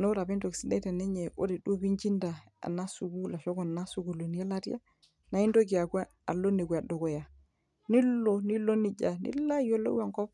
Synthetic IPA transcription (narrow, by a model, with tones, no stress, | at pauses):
no˦ɾa˨bi˦ndo˨ksi˦dḛ˦te˨ne˦ɲe˨o̰˦ɾi˨ɗu˦bi˦ɲd͡ʒi˦nda˨ | a̰˨na˦su˨ɡu˦la˨ʃo˦ko˨n˨na˦su˨˦ɡu˨lo˨ni˦a˦la˦tḭ˦ja˦ | na˨˦i˦ndo˦ki˨a˨kʷa˦ | a˨lo˦ne˨kʷa˨do˨ko˨ja˨ | ni˦lo˨ni˦lo˦ni˦d͡ʒa˨nḭ˦la˦jo˦lo̰˦a˨ŋko˦p